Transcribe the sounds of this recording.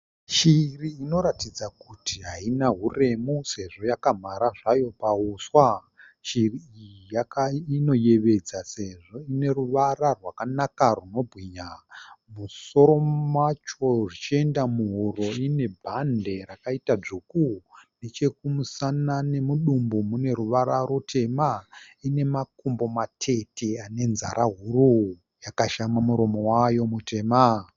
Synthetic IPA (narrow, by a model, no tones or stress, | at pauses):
ʃiriːno̞ɾatid͡zakutʰiɦainaɦure̞muse̞ʐo̞jakam̤aɾaʐajo̞pauswa | ʃiriijakaino̞je̞ʋe̞d͡zaseʐo̞ine̞ruʋararwakanakaruno̞bʱɣiɲamuso̞ɾo̞mat͡ʃo̞ʐit͡ʃie̞ndamuɦuro̞ine̞bʱande̞ɾakaitad͡ʐukune̞t͡ʃe̞kumusanane̞muɗumbomune̞ɾuʋaɾaɾutʰe̞maine̞makumbo̞matʰe̞teane̞nza̰ɾʔaɦuru | jakaʃamamuɾo̞mo̞wajo̞mute̞ːma